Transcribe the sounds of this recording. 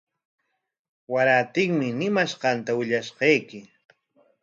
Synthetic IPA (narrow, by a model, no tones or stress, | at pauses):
waɾat̪ɪŋmɪnɪmaʃɢɑnt̪awɪʎaʃqɑjkɪ